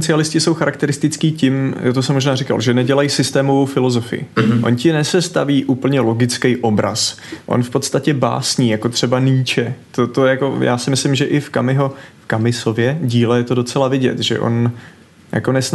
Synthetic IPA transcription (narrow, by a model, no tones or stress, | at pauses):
t͡sɪalɪscɪsowxaɾakt̪ɛɾɪst̪ɪt͡skiːcɪmjat̪osɛmːoʒnaːrɪka̰lʒɛnɛɟɛlajisɪst̪ɛːmo̞vowfɪlo̞zo̞fɪ̰jɪ̰ʔo̞̰ncɪnɛsɛst̪aviːʔuːpl̩ɲɛlo̞ɡɪt͡skɛjʔo̞bɾa̰s | ʔo̰nfpo̞t̪st̪acɛba̰ːsɲiːjakot̪r̝̥ɛbaniːt͡ʃɛt̪ot̪ojakoja̰ːsɪmɪslɪmʒɛʔɪfkamɪɦo̞fkamɪso̞vjɛɟiːlɛjɛt̪odo̞t͡sɛlavɪɟɛ̰t̪ʒɛ̰ʔo̞̰n | ja̰ko̞nɛsn